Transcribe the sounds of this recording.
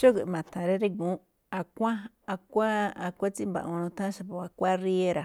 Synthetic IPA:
ʃo˦kɨ˨˧mã˨t̪ʰã˨ɾe˦ɾe˦ɡũ˨˦ | a˧kʷã˦ | a˧kʷa˦a˧kʷa˦t͡si˦mbã̰˧˨ʔũ˧nũ˧t̪ã˦ʃa˧pa˧a˧kʷa˦ri˦e˦ɾa˨

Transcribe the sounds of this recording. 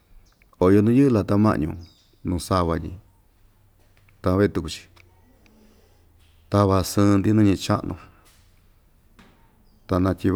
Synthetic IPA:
o˨˧jo˧nũ˦jɨ˦la˧t̪a˧mã̰˧ʔɲṵ̃˧ | nũ˧sa˧βa˧ɲḭ̃˧ | t̪a˧βe˦e˧t̪u˧ku˧t͡ʃi̥˧ | t̪a˧βa˧sɨ̃˧nd̪i˦nũ˦ɲĩ˧t͡ʃa˦ʔnʔṵ̃˧ | t̪a˧nã˧t̪ʲi˧β

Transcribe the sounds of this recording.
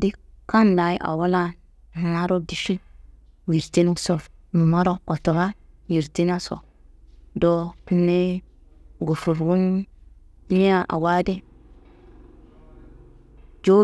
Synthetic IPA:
di˦ka˦nla˨jʔa̰˨wa˦la˦ | n˨a˦ɾo˦di˨ʃi˦ | wi˨ɾte˦nu˦so˨ɾmu˨ma˦ɾo˦ko˨to˨ɾa˦ | ji˨ɾti˦n˦a˦so̰˨ | do˦pi˦nːe˦ | ɡo˨fu˨ɾwu˦n˦ | i˦a˦˨ʔa̰˨wa˦de˦ | d͡ʒo˦

